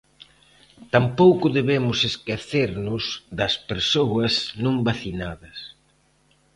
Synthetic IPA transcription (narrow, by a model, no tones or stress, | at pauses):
t̪ampowkʊðeβemʊseskeθeɾnʊsðɐspeɾsowɐsnõmbaθinaðɐs